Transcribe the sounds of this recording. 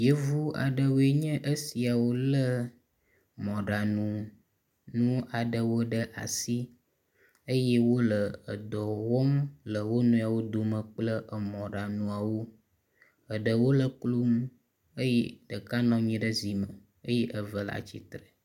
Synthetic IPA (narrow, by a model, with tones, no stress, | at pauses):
je˦vu˦a̰˨ɖə˨wo˦e˦ɲə̃˦ʔə˦si˨a˨wo˦lə˦ | mɔ̃˨ɖa˨nũ˨ | nũ˦a˨ɖə˨wo˦ɖə˦ʔa̰˨si˦ | ə˦je˦wo˦lə˨ə˨d̪ɔ˨wɔ˦mlə˨wo˦nũ˦a˨wo˦d̪o˨mə̃˨k͡plə˦ʔə˨mɔ̃˨ɖa˨nũ˨a˨wo˦ | ə˨ɖə˨wo˦lə˦klu˦m˦ | ə˦je˦ɖə˨ka˦nɔ̃˦ɲĩ˦ɖə˦zi˨mə˨ | ə˦je˦ʔə˨və˨la̰˨t͡ɕḭ˦t̪ɾə˨